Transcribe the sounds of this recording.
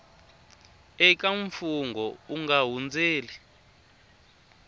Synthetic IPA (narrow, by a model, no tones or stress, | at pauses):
ɛkaɱfuŋɡɔuŋɡaɦund͡zeːli